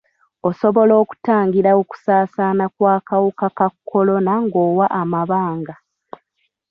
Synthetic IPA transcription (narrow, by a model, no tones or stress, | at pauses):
o̞so̞βo̞lo̞ːku̥taːŋɡiɾaoku̥saːsaːnakwaːkawokakakʰːolo̞naŋɡo̞ːwaʔamaβaːŋɡa